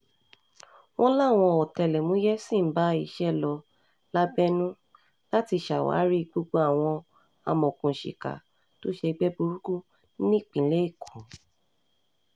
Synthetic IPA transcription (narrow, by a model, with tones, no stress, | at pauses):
w̃ɔ̃˦la˦˨w̃ɔ̃˧ɔ˨tɛ˧lɛ˨mũ˨˦jɛ˦sĩ˦˨˦ba˨˦i˦˨ʃɛ˦lɔ˧ | la˦bɛ˦nũ˦ | la˦ti˧ʃa˨wa̰ː˨˦ɾi˦ɡ͡bo˧ɡ͡bo˧a˦˨w̃ɔ̃˧ | a̰˧mɔ̃˨kũ˨ʃḭ˨ka̰˨ | to˦ʃe˧ɡ͡bɛ˦bu˧ɾu˦ku˦˨˦ | nĩ˦˨k͡pĩ˨˦le˦i˦˨kʰũ˨